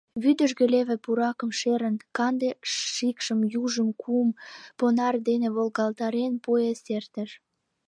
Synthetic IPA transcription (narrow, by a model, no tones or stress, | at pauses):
βyd̪əʒɣĕleβĕpuɾɑkəmʃeɾə̆nkɑnd̪eʃikʃəmjuʒəmkʰumponɑrd̪enĕβolɣɑlt̪ɑɾenpojesert̪ə̆ʃ